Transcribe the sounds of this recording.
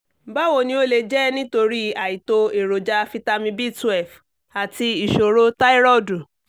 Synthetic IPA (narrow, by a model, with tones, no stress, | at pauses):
ba˦wo˧nĩ˧˦o˦le˧d͡ʒɛ˦nĩ˦to˧ɾi˦a˨i˨to˧e˨ɾo˨d͡ʒa˧fi˧ta˦mĩ˧bi˦˨tu˦ɛ˦˨f | a˨ti˧i˨ʃo˨ɾo˦ta˦i˦ɾɔ˦˨du˨